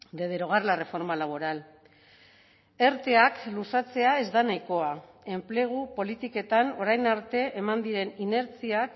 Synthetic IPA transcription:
d̪e̞ð̞eɾo̞ɣ̞arlare̞fo̞ɾmalaβ̞o̞ɾal | e̞ɾt̪e̞aklusat͡se̞ae̞zd̪anajko̞a | e̞mple̞ɣ̞upo̞lit̪ike̞t̪ano̞ɾajnaɾt̪e̞ʔemand̪iɾe̞nine̞ɾt͡siak

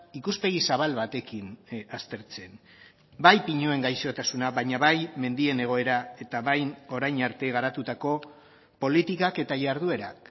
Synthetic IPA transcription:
ikuspe̞ɣ̞isaβalβat̪e̞kinast̪e̞ɾt͡se̞n | bajpiɲue̞ŋɡajʃo̞t̪asunaβajɲaβajme̞nd̪ie̞ne̞ɣ̞o̞e̞ɾae̞t̪aβajno̞ɾajnaɾt̪e̞ɣ̞aɾat̪ut̪ako̞ | po̞lit̪ikake̞t̪aʝaɾð̞ue̞ɾa̰k

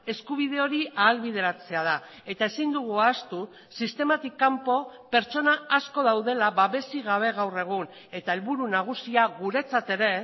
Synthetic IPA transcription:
e̞skuβ̞ið̞e̞o̞ɾiʔaːlβið̞e̞ɾat͡se̞að̞a | e̞t̪ae̞sind̪uɣ̞uast̪u | sist̪e̞mat̪ikːampo̞pe̞ɾt͡ʃo̞naːsko̞ðawðe̞laβaβe̞siɣaβ̞e̞ɣawre̞ɣ̞un | e̞t̪ae̞lβuɾunaɣ̞usiaɣuɾe̞t͡sat̪e̞ɾe̞

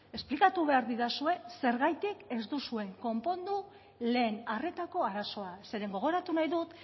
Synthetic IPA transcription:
e̞splikat̪uβe̞aɾðiɾasue̞se̞ɾɣajt̪ike̞zd̪usue̞ŋko̞mpo̞nd̪u | le̞ːnare̞t̪ako̞aɾaso̞ase̞ɾe̞ŋɡo̞ɣo̞ɾat̪unajðut̪

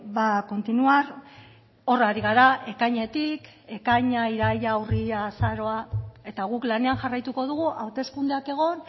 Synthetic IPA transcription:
βako̞nt̪inuaɾ | o̞raɾiɣ̞aɾaʔe̞kajɲe̞t̪ik | e̞kajɲaiɾajawriasaɾo̞ae̞t̪aɣ̞uklane̞anʝarajt̪uko̞ð̞uɣ̞uʔawt̪e̞skund̪eake̞ɣ̞o̞n

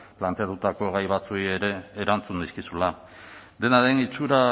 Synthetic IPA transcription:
plant̪e̞at̪ut̪ako̞ɣajβ̞at͡suieɾe̞ːɾant͡sund̪iskisula | d̪e̞naðe̞nit͡ʃuɾa

